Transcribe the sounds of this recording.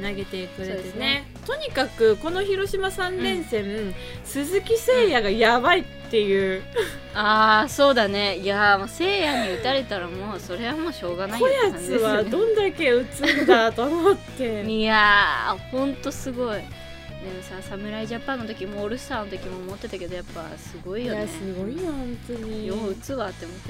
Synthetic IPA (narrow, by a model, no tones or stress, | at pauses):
naɡe̞t̪eikɯ̟sɾeod̪esne | t̪o̞ɲ̟ikakɯ̟ko̞no̞çiɾo̞ɕimasãnːẽ̞ɰ̃sẽ̞ | sɨzɨkʲise̞ːjaɡajabait̪ːe̞jɯ̟ː | aːso̞ːd̪ane̞iamose̞ːjaɲ̟iɯ̟t̪aɾe̞t̪aɾamo̞ːso̞ɾe̞βamo̞ːɕo̞ːɡanaiojant͡sd̪ɨeβad̪õ̞nd̪ake̞ɯ̟t͡sɨnd̪at̪omot̪ːe̞iahõ̞nt̪o̞sɨɡo̞i | d̪emosãsamɯ̟ɾaiʑapːãnːo̞t̪̬o̞kʲimoːɾɯ̟sɨ̥t̪aːnot̪o̞kʲimoːmo̞t̪ːe̞t̪ake̞d̪o̞japːa̰sɨɡo̞ijo̞neɨɡoinohõnt̪oɲijoɯ̟t͡sɨβaːt̪ːe̞mas